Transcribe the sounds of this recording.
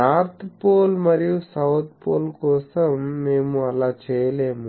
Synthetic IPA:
naːɾt̪ʰpoːlmɐɾijusɐwt̪̚ʰpoːlkɔːsɐmːeːmuɐlaːt͡ʃɛːjɐleːmu

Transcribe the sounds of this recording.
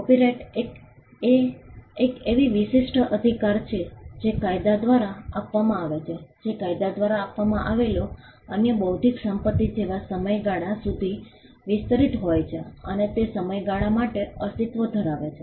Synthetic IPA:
ɔpiɾeʈek | eekeʋiʋiʃɪʃʈʰəʔəd̪ʱikaɾt͡ʃʰed͡ʒekajd̪ad̪ʋaɾaapʋamãaʋet͡ʃʰed͡ʒekajd̪ad̪ʋaɾaːpʋamãʔaʋelo | ənjəbəut̪iksəmpət̪ːid͡ʒeʋasəməjɡaɽ̃asud̪ʱi | ʋɪst̪əɾit̪ɦojt͡ʃʰeənet̪esəməjɡaɽ̃amaʈeəst̪it̪ʋəd̪ʱəɾaʋet͡ʃʰe

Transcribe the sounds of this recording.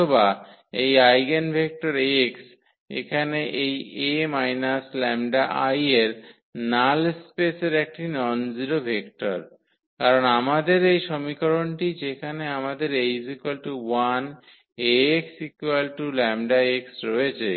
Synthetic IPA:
oba | ejajɡenbʱek̚ʈoɾeks | ḛkʰaneʔejemajnaslɛmɖaʔajeɾ | nalspeseɾɛk̚ʈinɔnziɾobʱekʈaɾ | kaɾonamad̪eɾejʃomikoɾonʈid͡ʑekʰaneamad̪eɾejzikelʈuwan | eksikwelʈulɛmɖaeksɾoet͡ɕʰe

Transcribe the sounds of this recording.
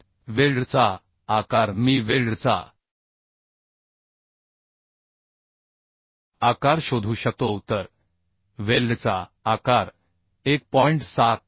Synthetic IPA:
ʋelɖt͡sa | akaɾmiːʋelɖt͡sa̰ | akaɾɕod̪ʱuːɕək̚t̪out̪əɾ | ʋelɖt͡saakaɾ | ek̚pɔiɳʈsat̪̚

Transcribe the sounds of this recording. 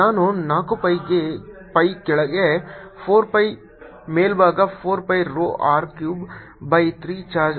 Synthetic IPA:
aːnoːnaːkopɐjɡe | pɐikeɭɡepʰoːɾpɐj | meːlbaːɡapʰoːɾpɐjɾoːʔaːɾkjuːb | bɐjt̪ʰɾiːt͡ʃaːd͡ʒ

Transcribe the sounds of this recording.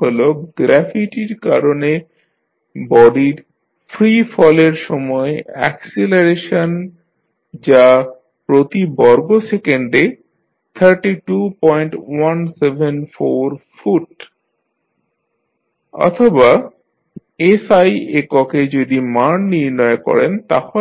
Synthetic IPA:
oloɡ̥ɾɛfiʈiɾkaɾone | bɔɖiɾ | fɾifɔleɾʃɔmɔeɛ̰kseleɾeʃan | d͡ʑa | pɾot̪ibɔɾɡosekeɳɖe | t̪ʰəɾʈiʈupɔjɳʈwansebʱenfoɾfuʈ | ɔ̰t̪ʰoba | esajekɔked͡ʑod̪imanniɾnɔekɔ̰ɾent̪a̰hɔ

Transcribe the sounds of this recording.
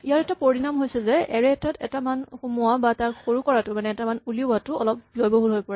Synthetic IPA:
ijaɹɛtapoɹinamɦojsɛzɛɛɹɛtatɛ̰tamanxumuabataxoɹukɔɹatʊmanɛɛtamanulibatʊɔlɔp̚biɔjboɦulɦojpɔɹɛ

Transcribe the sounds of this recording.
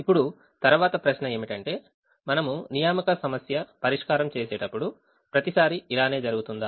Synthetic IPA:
ipːuɽu | t̪ɐɾuʋaːt̪ɐpɾɐʃnɐe̞ːmiʈɐɳʈe̞ː | mɐnɐmunijaːmikɐsɐmɐsjɐpɐɾiʂkaːɾɐmt͡ʃe̞ːsɛːʈɐpːuɽu | pɾɐt̪isaːɾiilaːne̞ːd͡ʒɐɾuɡut̪und̪aː

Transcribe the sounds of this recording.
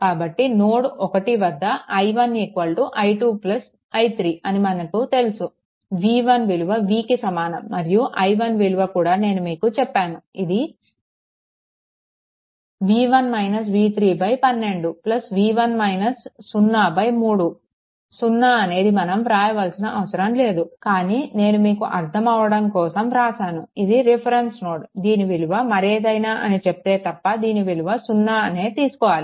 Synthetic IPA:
kaːbɐʈːinoːɽuʔɔkɐʈiʋɐd̪ʱːɐːjʋɐnekuʋɐlʈuʔɐjʈuːplɐs | ɐjt̪ʰɾiːʔɐnimɐnɐkut̪e̞lusu | ʋiːʋɐnʋeluʋɐʋiːkisɐmaːnɐmːɐɾijuʔɐjʋɐnʋeluʋɐkuːɽaːne̞ːnumiːkut͡ʃɛpːaːnuid̪i | ʋiːʋɐnmɐjnɐs̬ʋiːt̪ʰɾiːbɐjpɐnːe̞ɳɖuplɐsʋiːʋɐnmɐjnɐsːunːaːbɐjmuːɽu | sunːaːɐne̞ːd̪imɐnɐmpɾaːjɐʋɐlsinɐʔɐʋɐsɐɾɐmle̞ːd̪ukaːniːne̞ːnumiːkuʔɐɾt̪ʰɐmɐʋɐɽɐmkɔːsɐmɾaːsaːnuid̪iɾipʰɐɾensnoːɽd̪iːniʋiluʋɐmɐɾeːd̪ɐjnaːʔɐnit͡ʃep̚t̪e̞ːt̪ɐpːɐd̪iːniʋiluʋɐsunːaːɐne̞ːt̪iːsu̥kɔːʋaːli

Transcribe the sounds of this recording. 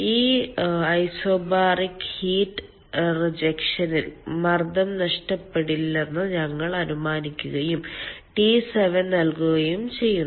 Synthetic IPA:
iːɐjsoːbaːrikhiːʈːɨ | rid͡ʑɐkʂɐnilmɐrd̪ɐmnɐʂʈɐpːeɽilːenːɨɲɐŋːɐɭɐɾumaːnikʲːuɣɐjumʈiseʋɐnnɐlkuɣɐjumt͡ɕe̞jːunː

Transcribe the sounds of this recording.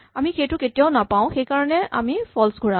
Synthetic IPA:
amixejtʊketijaʊnapaʊ̃xejkaɹɔnɛʔa̰mipʰɔlsɡʱuɹa

